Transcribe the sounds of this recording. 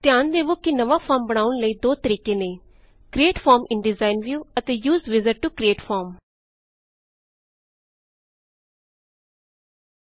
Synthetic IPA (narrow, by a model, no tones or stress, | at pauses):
t̪jaːnd̪eːʋoːkinəʋaːpʰɔːɾmbəɽ̃aːʊɳləiːd̪oːt̪əɾiːkeːneː | kɾieːʈfʰɔːɾmɪnɖɪzaːɪnʋjuːət̪eːjuːzʋɪzəʈʈukɾieːʈfʰɔːɾm